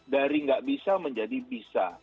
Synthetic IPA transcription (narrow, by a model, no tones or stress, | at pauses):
daɾiŋɡaʔbisaməɲd͡ʒadibisa̰